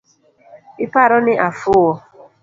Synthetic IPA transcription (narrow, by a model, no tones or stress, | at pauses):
ɪpaɾʊnɪʔafʊwɔ